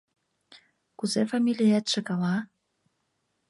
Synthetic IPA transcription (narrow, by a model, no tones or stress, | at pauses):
kuzefɑmʲilʲijæt̪ʃĕkɑlɑ